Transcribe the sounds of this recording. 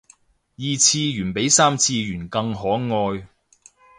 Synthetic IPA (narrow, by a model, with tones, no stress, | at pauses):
jiː˧t͡sʰiː˧jyː˨˩npe˨˥jsaː˥mt͡sʰiː˧jyː˨˩nkɐ˧ŋɦɔː˨˥ŋɔː˧j